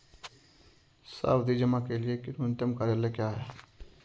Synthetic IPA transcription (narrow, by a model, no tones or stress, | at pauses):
sa̰bd̪ʱid͡ʒəmakeliekinʊnt̪əmkaɾelekjaːɦɛː